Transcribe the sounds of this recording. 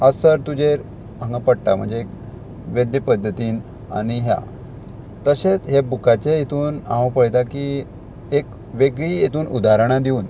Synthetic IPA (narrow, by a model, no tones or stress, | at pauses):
əsəɾt̪ud͡ʑeɾ | ãŋɡapəɽʈam̤ə̰ɳd͡zeːk̚ | ʋed̪jəpəd̪ʱːət̪iːn | a̰ɽ̃iɦja̰ | t̪əɕet͡sɦebukat͡ɕejet̪uːna̰ʋapəɽt̪aki | ek | ʋeɡɭiːjet̪uːnud̪aɾəɽ̃ad̪iuːn